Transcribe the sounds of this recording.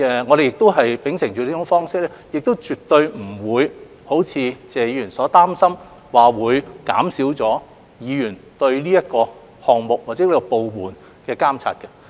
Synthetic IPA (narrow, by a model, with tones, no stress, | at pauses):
ɛ˨ŋɔ˨˧ɾe˨jɪ˨k̚t̪o˥wɦɐ˨jpɪ˨˥ŋsɪ˨˩ŋt͡ʃyː˨liː˥t͡ʃʊ˨˥ŋfɔː˥ŋsɪ˥k̚lɛː˥jɪ˨k̚t̪o˥wt͡ʃyː˨t̪ɵ˧ɥm̩˨˩wuː˨˧j | ho˨˥wt͡sʰiː˨˧t͡sɛː˨ji˧yː˨˩nsɔː˨˥t̪aː˥msɐ˥m | waː˨wuː˨˧jka̰ː˨˥msiː˨˥wt͡sɔː˨˥ | jiː˨˧jyː˨˩nt̪ɵ˧ɥliː˥jɐ˥t̚kɔː˧ | hɔː˨˩ŋmʊ˨k̚waː˨t̚t͡sɛː˨˥kɔ˧po˨wmuː˨˩n | kɛː˧kaː˥mt͡sʰa̰ː˧t̚kɐ˧